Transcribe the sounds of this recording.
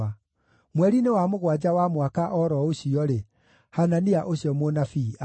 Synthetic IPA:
a | mwɛɾinewamoɣwad͡ʑawamwakaʔɔɾɔoɕiɔɾe | hananiaʔoɕjɔmonafia

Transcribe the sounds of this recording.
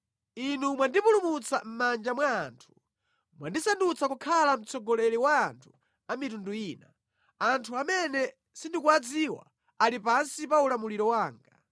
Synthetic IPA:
inumwandipulumut͡sam̩mand͡ʒamwaːntʰu̥ | mwandisandut͡sʰakukʰalam̩t͡sʰɔɡɔlɛliwaːntʰu̥ | amitunduiːna | antʰuamɛnɛ | sindikuad͡ziwa̰ | alipansipaulamuliɾɔwaːŋɡa

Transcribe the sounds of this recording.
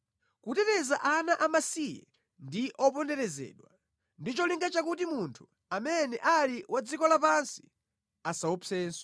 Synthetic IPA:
kutɛtɛzaʔanaʔamasijɛ̰ | ndiʔɔp̬ɔndɛɾɛzɛ̰ːɗwa | ndit͡ʃɔliŋɡat͡ʃakut̬imuntʰu̥ | amɛnɛʔaliwʔad͡zikɔlapansi̥ | asaɔpʰɛːnsɔ̥

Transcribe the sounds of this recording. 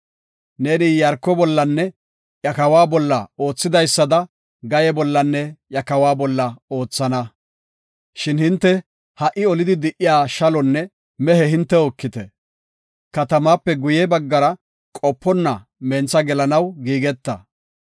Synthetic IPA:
ne̞ːnɪjɐɾkːɔbɔlːɐnːɛ | jɐkɐwaːbɔlːɐ̰o̞ːt͡sːɪd̪ɐjsːɐd̪ɐ | ɡɐjɛbɔlːɐnːɛjɐkɐwaːbɔlːɐo̞ːt͡sːɐnɐ | ʃɪnhɪnt̪ːɛ | hɐʔɪɔlɪd̪ɪd̪ɪʔɪjaːʃɐlɔnːɛ | mɛhɛhɪnt̪ːɛɔkːɪt̪ɛ | kɐt̪ɐmaːpːɛɡʊjɛbɐɡːɐɾɐ | kʼɔpːɔnːɐ | mɛnt͡sɐɡɛlɐnɐwɡiːɡɛt̪ːɐ

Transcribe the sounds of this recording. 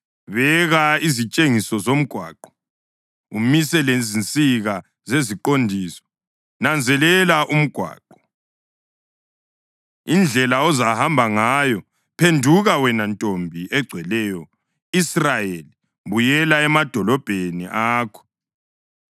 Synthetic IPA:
βɛɣaizit͡ʃʼeŋisɔzom̩ɡ̥ʱwa̰ːǃɔ̥ | umisɛlezint͡sʼiɣa | zeziǃondʱiːsɔ̥ | nand͡zʱɛlɛlaʔum̩ɡ̥ʱwa̰ːǃɔ | ind͡ɮʱɛlaɔzahambʱaŋaːjɔ | pʰendʱuɣawɛnantʼombʱiʔɛɡ͡ǀʱwɛlɛːjɔ | israjeli | βujɛlaɛmad̥ʱɔlɔb̥ʱenḭʔaːkʰɔ̥

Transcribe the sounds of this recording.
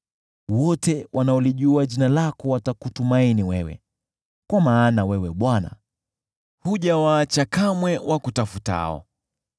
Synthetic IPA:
wɔtɛwʔanaɔliʄuaʄinalakɔwatakutumainiwɛwɛ̰ | kwamaːnawɛwɛɓwana̰ | huʄawaːt͡ʃakamwɛwʔakutafuta̰ɔ̰

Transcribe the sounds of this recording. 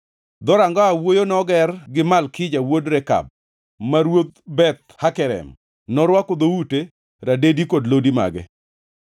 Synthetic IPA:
d̪ɔɾaŋɡaawojonɔɡɛrɡɪmalkɪd͡ʒawodɾɛka̰b̚ | maɾwot̪bɛt̪̚hakɛɾɛ̰m | nɔɾwakod̪oute | ɾadedikodlodima̰ɡɛ̰

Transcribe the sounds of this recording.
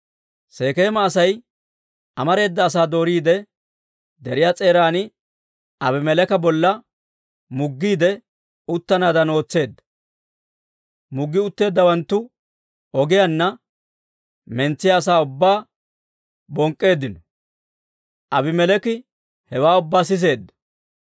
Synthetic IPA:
se̞ːke̞ːmɐːsɐj | ɐmɐɾe̞ːd̪ːɐːs̬aːd̪o̞ːɾiːd̪ɛ | d̪ɛɾɪjaːt͡sʼe̞ːɾaːnɪ | ɐbɪmɛlɛkɐbɔlːɐ | mʊɡːiːd̪ɛ | ʊt̪ːɐnaːd̪ɐno̞ːt͡sːe̞ːd̪ːɐ̥ | mʊɡːɪʊt̪ːe̞ːd̪ːɐwɐnt̪ːʊ | ɔɡɪjɐnːɐ | mɛnt͡sːɪjaːs̬aːʊbːaː | bɔŋkʼːe̞ːd̪ːɪnɔ | ʔɐbɪmɛlɛkɪ | hɛwaːʊbːaːs̬ɪs̬e̞ːd̪ːɐ̥

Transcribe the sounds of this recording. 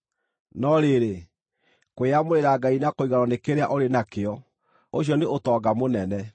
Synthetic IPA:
nɔɾeɾe | kweamoɾeɾaɡainakoiɣaɾɔnekeɾeaʔoɾenakeɔ | oɕjɔneotɔːɡamonɛnɛ

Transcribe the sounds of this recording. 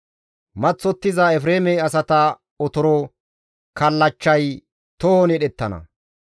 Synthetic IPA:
mɐt͡sːɔt̪ːɪzɐɛfɾeːmɛɐsɐt̪ɐ | ɔt̪ɔɾɔ | kɐlːɐt͡ʃːɐj | t̪ɔhɔnɛɗɛt̪ːɐnɐ̰

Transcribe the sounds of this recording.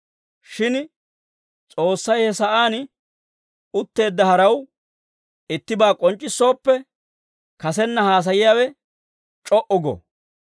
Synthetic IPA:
ʃɪn | t͡sʼo̞ːsːɐjhɛsɐʔaːn | ʊt̪ːe̞ːd̪ːɐhɐɾɐw | ɪt̪ːɪbaːkʼɔnt͡ʃʼːɪsːo̞ːpːɛ | kɐsɛnːɐhaːs̬ɐjɪjaːwɛ | t͡ʃʼɔʔʊɡɔ̰

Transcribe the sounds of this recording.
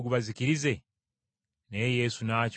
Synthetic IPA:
ɡuβaziciɾize̞ | ne̞ːje̞ːsunaːc

